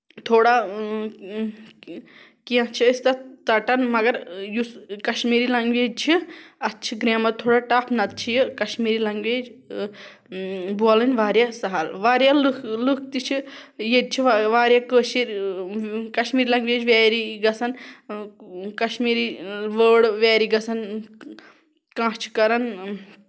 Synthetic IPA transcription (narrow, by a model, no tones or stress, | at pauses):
t̪ʰoːɽa | kiãt͡ʃʰiist̪ɐt͡sɐʈɐnmɐɡɐɾjuskɐʃmiːɾilɐŋɡʋeːd͡ʒ̪̚t͡ʃʰiɐtːt͡ʃʰiɡɾaːmɐt̪ʰoːɽaːʈaːpʰnɐt̪̚t͡ʃʰijikɐʃmiːɾilɐŋɡʋeːd͡ʒ | buɐlɨnʲʋaːɾjasɐɦalʋaːɾjalluk̚ʰt̪it͡ʃʰijed̪̚t͡ʃʰiʋʋaːɾjaːkəːʃiɾʲ | kɐʃmiːɾilɐŋɡʋeːd͡ʒʋɛːɾiɡɐsɐn | kɐʃmiːɾiʋəːɽʋɛːɾiɡɐsɐn | kãːt͡ʃʰi̥kɐɾɐn